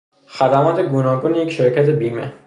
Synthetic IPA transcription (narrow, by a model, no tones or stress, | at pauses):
xæd̪æmɒːt̪ʰe̞ɡuːnɒːɡuːnjecʃeɾcʰæt̪ʰe̞biːme